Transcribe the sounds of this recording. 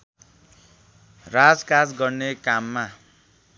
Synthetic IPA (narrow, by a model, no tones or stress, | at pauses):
rad͡zkad͡zɡʌrnekamːa